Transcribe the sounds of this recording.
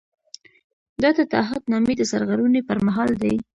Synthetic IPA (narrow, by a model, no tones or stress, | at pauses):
d̪ɑd̪ət̪ɑ̰ɦat̪nɑmed̪əsaɾɣaɾunepəɾmaɦɑld̪aj